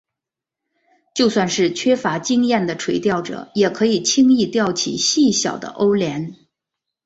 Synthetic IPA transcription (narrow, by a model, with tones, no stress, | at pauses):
t͡ɕjo˥˧ʊswa˥˧nʂɻ̩˥˩t͡ɕʰɥɛ˥fa˧˥t͡ɕi˥ŋjɛ˥˩nd̪ə˩ʈ͡ʂʰwe˧˥ɪt̪jɑ˥˩ʊʈ͡ʂɤ̰˨˩˦jɛ˨˩kʰɤ˧˥i˨˩t͡ɕʰi˥ŋi˥˧t̪jɑ˥˩ʊt͡ɕʰḭ˨˩ɕi˥˩ɕjɑ̰˨˩ʊd̪ə̰˦ʔo˥ʊljɛ˧˥n